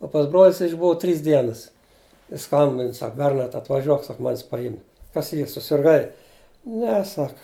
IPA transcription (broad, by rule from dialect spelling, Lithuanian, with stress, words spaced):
oː pɐs ˈbroːlʲɪ jɪs ɪʒˈbʊʋɐ ˈtʲrʲiːs ˈdʲiɛnɐs ˈjɪs ˈskɐmʲbʲɪn ˈsɐk ˈbʲɛrnɐrt ɐtʋɐˈʒʲuɔk ˈsɐk ˈmɑːnʲɪs pɐˈjɪm kɐs ˈiːr sʊsʲɪrˈɡɐɪ ˈnʲɛ ˈsɐk